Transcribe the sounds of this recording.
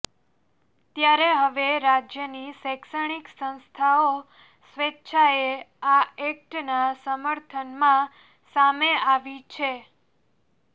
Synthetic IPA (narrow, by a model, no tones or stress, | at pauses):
t̪jaɾeɦəʋeɾad͡ʒjənisɛksəɽ̃iksə̃w̃st̪ʰao | sʋetːʃʰaeaek̚ʈnasəməɾt̪ʰənmã | sameaʋit͡ʃʰe